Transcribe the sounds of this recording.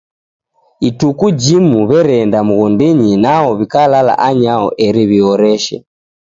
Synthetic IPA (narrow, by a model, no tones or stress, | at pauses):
itukud͡ʒimuβɛɾɛndamuɣɔndiɲinaɔβikalala̰ʔaɲaɔ̰ʔɛɾiβiɔɾɛʃɛ̰